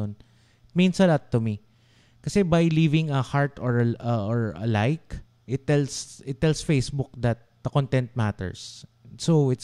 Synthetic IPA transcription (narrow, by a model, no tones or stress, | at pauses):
on | ɪt̪̚mĩnsɐlat̪ːʊmi | kɐsɛbɐjlivɪ̃ŋɐhaɹt̪ɔɹɐɔɹɐ̰lajk | ʔɪt̪ːɛlsɪt̪ːɛlsfejsbʊk̚d̪ɐt̪̚d̪̥ɐkɔ̃nt̪ɛ̃nt̪̚mat̪ɛ̰ɹs | sowɪt̪